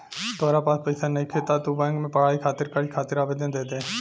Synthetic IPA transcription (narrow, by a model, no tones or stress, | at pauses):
t̪ɔːɾapaːspəɪsanəɦĩkʰeːt̪at̪ubɛ̃ːŋɡmẽpəɽ̤aːikʰaːt̪ɪɾkəlkʰaːt̪ɪɾaːbeːd̪ãnd̪eːd̪eɛ̃